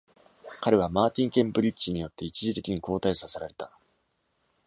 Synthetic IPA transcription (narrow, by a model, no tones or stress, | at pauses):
kaɾe̞β̞amaːt̪ʲĩŋkẽ̞mpɯ̟ɾʲit͡ɕiɲ̟ijo̞t̪ːe̞it͡ɕiʑit̪e̞kʲiɲ̟iko̞ːt̪aisase̞ɾaɾe̞t̪a